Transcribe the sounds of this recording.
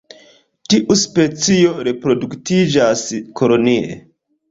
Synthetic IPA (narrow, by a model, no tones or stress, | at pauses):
tiʔuspe̞t͡sio̞ɾe̞pɾo̞duktid͡ʒaskʰo̞lo̞niḛ